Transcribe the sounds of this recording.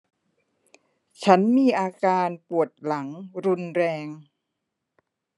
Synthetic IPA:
t͡ɕʰa˦˥nmiː˧ʔaː˧kaː˧npu˨˩ət̪̚la˩˦ŋɾu˧nɾɛː˧ŋ

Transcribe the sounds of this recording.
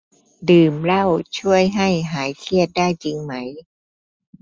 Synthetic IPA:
dɯː˨˩mɾa˥˩wt͡ɕʰu˥˩əjɦa˥˩jɦaː˩˦jt̪ʰi˥˩ət̪̚daː˥˩jt͡ɕi˧ŋma˦˥j

